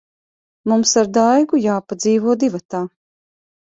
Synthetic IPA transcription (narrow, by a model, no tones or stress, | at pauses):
mumsaɾd̪ajɡujaːpad̪ziːvuɔd̪ivat̪aː